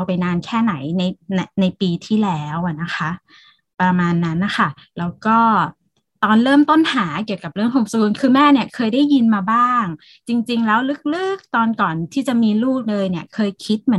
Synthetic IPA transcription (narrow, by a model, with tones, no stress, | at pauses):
a˧wpa˧jnaː˧nkʰɛː˥˩na˩˦jna˧jna˧na˧jpiː˧t̪ʰiː˥˩lɛː˦˥wʔa˨˩na˦˥xʰa˦˥ʔ | pɾa˧maː˧nːa˦˥nːa˧˩xʰa˥˩ | lɛː˦˥wkɔː˥˩ | t̪ɔː˧nɾɤː˥˩mt̪o˥˩nhaː˩˦k̬i˨˩əwka˨˩p̚ɾɯ˥˩əŋt̪ʰo˧msuː˧nkʰɯː˧mɛː˥˩ni˥˩ɐkʰɤː˧jdaː˥˩jːi˧nmaː˧baː˥˩ŋ | t͡ɕi˧ŋt͡ɕi˧ŋlɛː˦˥wlɯ˦˥k̚lɯ˦˥˩k̚t̪ɔː˧nkɔː˨˩nt̪ʰiː˥˩t͡ɕa˨˩ʔmiː˧luː˥˩k̚lɤː˧jni˥˩ɐkʰɤː˧jkʰi˦˥t̪̚mɯ˩˦